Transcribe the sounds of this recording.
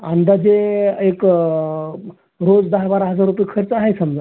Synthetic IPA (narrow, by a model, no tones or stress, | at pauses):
and̪ad͡zeek | ɾod͡zd̪aɦabaɾaɦəd͡zaɾːupjkʰəɾt͡səaɦesəmd͡za